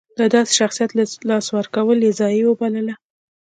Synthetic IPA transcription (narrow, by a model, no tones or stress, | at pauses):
d̪̥əd̪ɑse̥ʃaxsijat̪lalɑswəɾkawəljezɑjiwəbaləla